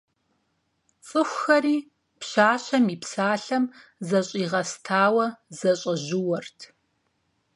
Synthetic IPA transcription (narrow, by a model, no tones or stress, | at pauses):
t͡sʼɨxʷxɐɾiː | pɕaːɕɐmiːpsaːɬɐmzɐɕʼiːʁɐstʰaːwɐzɐɕʼɐʑɪwɐrtʰ